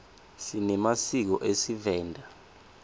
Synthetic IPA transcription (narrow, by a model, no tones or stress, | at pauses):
sinɛmasik̬ɔʔesivɛːndʱa